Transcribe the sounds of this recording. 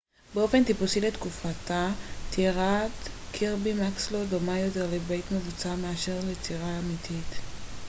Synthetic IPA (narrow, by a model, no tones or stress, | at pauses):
beo̞fe̞nt̪ipusile̞t̪kufatat̪ʰiʁat̪kʰiʁbimakslo̞domajo̞te̞ʁlebe̞jtme̞vut͡sameaʃe̞ʁlet͡siʁaːmitʰit̪